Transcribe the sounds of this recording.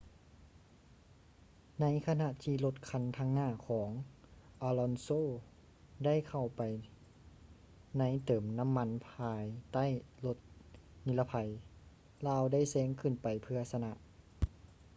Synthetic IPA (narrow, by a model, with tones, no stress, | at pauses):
na˧˥jkʰa˧na˧ʔt̪ʰiː˧lo˧t̪̚kʰa˧˥˨nt̪ʰaː˧ŋnaː˧˩kʰɔː˩˦ŋʔaː˧lɔ˧nsoː˧˨ | da˥˩˨jkʰa˨˩wpa˨˩j | na˧˥˨jt̪ɤː˨˩mna˧˥˨mːa˧˥˨npʰaː˧jt̪a˥˨jlo˧˦t̪̚ni˧˥la˧pʰa˧j | laː˧˨wda˥˩˨jsɛː˧˥ŋkʰɯ˧˩˨npa˨˩jpʰɯ˧ɐsa˧na˧ʔ